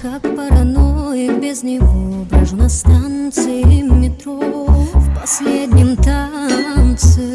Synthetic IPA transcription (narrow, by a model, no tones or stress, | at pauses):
kakpɐɾɐnojɪbʲɪznʲɪvobɾəʐnɐst̪ant̪sɨjɪmʲɪt̪ɾofpɐsʲlʲed̪ʲnʲɪmt̪ant̪sɨ